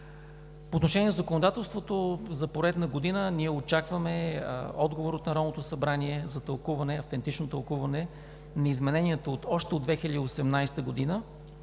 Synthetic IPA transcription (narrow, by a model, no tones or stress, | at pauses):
poːt̪noʃɛnʲiɛnɛzəkonod̪at̪ɛlˠst̪vot̪ozɐpoɾɛt̪nɐɡod̪inəniɛot͡ʃakvəmɛɔd̪ɡovoɾot̪nɐɾɔd̪not̪osɐbɾaniɛzɐt̪ɐlˠkuvɐnɛɐft̪ɛnt̪it͡ʃnot̪ɐlˠkuvɐnɛ | nɐizmɛnɛniət̪əot̪ɔʃt̪ɛod̪vɛxilʲəd̪iosɛmnajst̪əɡod̪inə